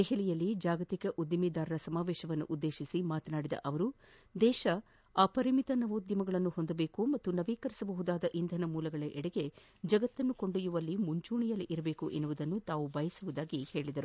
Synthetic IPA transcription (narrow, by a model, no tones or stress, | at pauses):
d̪ɛɦɛlijɐlːid͡ʒaːɡɐt̪ikɐʔud̪ːimid̪aːɾɐɾɐsɐmaːʋɛːʃɐʋɐnːṵʔud̪ːe̞ːʃisimaːt̪ɐnaːɽid̪ɐ̰ʔɐʋɐɾud̪ɛːʃɐ | aːpɐɾimit̪ɐnɐʋoːd̪jɐmɐɡɐɭɐnːuhond̪ɐbe̞ːkumɐt̪ːunɐʋiːkɐɾisɐbɐɦud̪aːd̪ɐʔind̪ʱɐnɐmuːlɐɡɐɭɐʔɛɽɐɡe̞ | d͡ʒɐɡɐt̪ːɐnːuko̞ɳɖujuʋɐlːimuɲt͡ʃuːɳijɐlːiʔiɾɐbe̞ːkuʔe̞nːuʋud̪ɐnːut̪aːʋubɐjɐsuʋud̪aːɡihe̞ːɭid̪ɐɾu